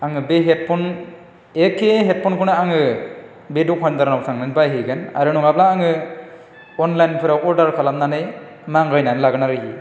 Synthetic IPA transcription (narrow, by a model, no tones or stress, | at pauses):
aŋɯbeɦet̚pʰɔn | ekʰeɦet̚pʰɔnkʰɔnɯaŋɯ | bedukʰɔnd̪aɾnaw̚sʰaŋnɯnbajɦɯjɡana̰ɾɯnuŋablaːŋɯ | ɔnlajnpʰɯɾawɔɾdaɾkʰalamnanɯj | maŋɡajnanɯlaɡɯnaɾɯɦi